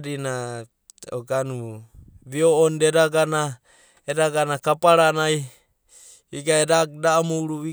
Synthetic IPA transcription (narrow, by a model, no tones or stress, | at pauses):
ɾina | ɔɡanuβioːndeɾaɡana | eɾaɡanakapaɾanai | iɡaeɾak̚damuuɾuβi